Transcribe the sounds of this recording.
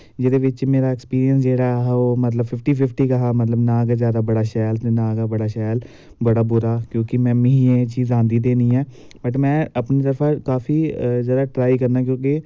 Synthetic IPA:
d͡ʒɪd̪eːʋɪt͡ʃmeːɾaːɪkspiːɾiənsd͡ʒeːɽaːɦɛːoːmət̪ləbpʰɪfʰʈiːpʰɪpʰʈiːkaɦaːmət̪ləbnãːɡaːzjaːd̪aːbəɽaːʃɛːlt̪eːnãːɡaːbəɽaːʃɛːl | bəɽaːbʊɾaːkjõːkɪmɛ̃ːmiẽːt͡ʃiːzãːnd̪iːd̪eːniːɛː | bəʈmɛ̃ːəpniːt̪əɾfʰãːkaːfiːzəd̪aːʈɾaːikəɾnaːkjõːkɪ

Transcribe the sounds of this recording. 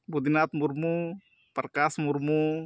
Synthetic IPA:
bud̪inat̪muɾmu | pəɾkasmuɾmu

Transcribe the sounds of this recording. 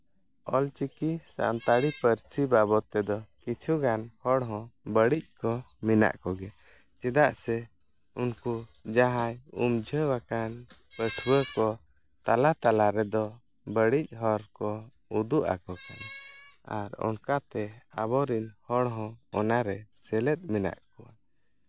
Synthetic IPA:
ɔlt͡ʃikisa̰nt̪aɽipəɾsibabɔt̪ɛd̪ɔkit͡ʃʰuɡanhɔɽɦɔ̃bəɽic̚kɔ | mina̰ʔkɔɡɛ | t͡ʃɛd̪aʔsɛ | unkud͡ʒaɦajṵmd͡ʒʱəwakan | pəʈʰbəkɔ | t̪alat̪alaɾɛd̪ɔ | bəɽic̚ˀɦɔɾkɔ | ud̪uʔa̰kɔkana̰ɾɔ̰nkat̪ɛabɔɾinhɔɽɦɔ̃ɔnaɾɛsɛlɛt̪̚ˀmina̰ʔkɔwa

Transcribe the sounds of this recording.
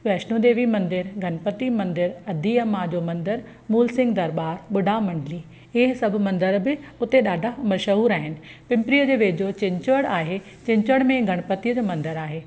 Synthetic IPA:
ʋɛːʃnõd̪eːʋimɐ̃nd̪ɪɾɡʱɐɽ̃pət̪imɐ̃nd̪ɪɾɐd̪ʱiɐmad͡ʑoːmɐ̃nd̪ɪɾ | muːlsɪ̃ŋɡd̪ɐɾbaːɾɓʊɖʱamɐ̃ɳɖliː | ɪɦsɐbʱʊ̆mɐ̃nd̪əɾbɪʊt̪eɗaːɖʱamɐɾʃɐɦuːɾaːɦɪnɪ̆pɪ̃mpɾijəd͡ʑeːʋeːd͡ʑot͡ɕɪ̃ɲt͡ɕʋəɽaːɦe | t͡ɕɪ̃ɲt͡ɕəɽ̃mẽɡʱɐɽ̃pət̪iəd͡ʑoːmɐ̃nd̪əɾaːɦeː

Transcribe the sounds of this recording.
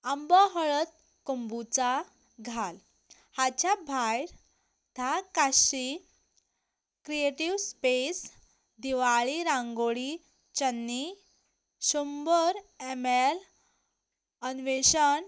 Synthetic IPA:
ambɔɦəɭət̪̚ | kumbut͡sa | ɡʱal | hat͡ɕabʱajɾ | d̪̥ʱakaɕi | kɾieʈiʋspes | d̪iʋaɭiɾãŋɡoɭi | t͡ɕənːi | ɕumbəɾemel | ənʋeɕən

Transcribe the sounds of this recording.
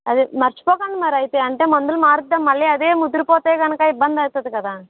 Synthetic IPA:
ɐðɯmɐɾt͡ʃːpoːkand̪ɯmaːɾɐjt̪ːɯɐɳʈẽmɔnd̪ɪlmaːɾɯɐmɐlːiɐðeːmʊd̪ɪɾpoːt̪ːeːkɐnɐkːaːɪbːɐnd̪aːjt̪ːɐðɯkːɐðãː

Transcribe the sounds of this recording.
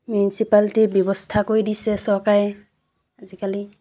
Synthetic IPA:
mjunisipaltibjɔbɔstʰakojdisɛsɔɹkaɹɛ | azikali

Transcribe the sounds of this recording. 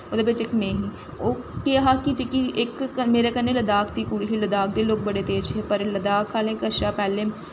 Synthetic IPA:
oːd̪eːbɪt͡ʃɪkmẽːɦiː | oːkeːɦaːkit͡ʃɪkiɪkmeːɾeːkənːeːləd̪aːkt̪iːkuɽiːɦiləd̪aːk̚d̪eːloːk̚bəɽeːt̪eːɾt͡ʃʰeːpəɾləd̪aːkʰːaːlẽːkəʃaːpɛːleː

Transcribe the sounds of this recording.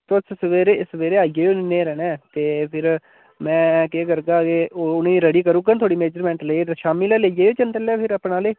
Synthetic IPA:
t̪oːɪssʋeːɾeːɪsʋeːɾeːaːiɡeːʊnːnẽːɾɛːnɛ̃ːt̪eːpʰɪɾ | mɛ̃ːkeːkəɾɡaːkeːoʊnẽːɾəɽiːkəɾũːɡant̪ʰoːɽiːmeːd͡ʒəɾmɛ̃ːɳʈleit̪ːʃaːmilːled͡ʒeːeːt͡ʃənt̪əlɛːpʰɪɾapnaːleː

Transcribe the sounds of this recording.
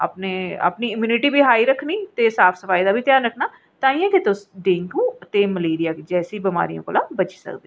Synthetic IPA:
a̰ːpneːə̰pniːɪmjuːnɪʈiːbʱiːɦaːiːɾəkʰːniːt̪eːsaːpʰsəpaːiːd̪aːbʱiːt̪jaːnɾəkʰnaː | t̪ãːĩːãket̪ʊsɖẽːŋkũːət̪eːməleːɾijaːked͡ʒɛːsiːbɪma̰ːɾijõ̰ːko̰ːlãːbət͡ʃsə̰kd̪eː

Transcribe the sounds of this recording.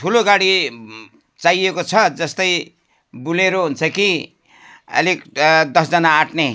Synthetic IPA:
tʰuloɡaɽi | t͡sajekot͡sʰʌd͡zʌst̪ʌj | buleɾoɦunt͡sʰʌki | ʌ̰likd̪ʌsd͡zʌnaːʈne

